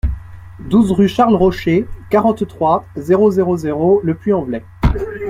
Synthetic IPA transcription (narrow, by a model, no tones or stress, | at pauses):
d̪uzʁyʃaʁlʁɔʃekaʁɑ̃t̪t̪χwazeʁozeʁozeʁoləplyɑ̃vlɛ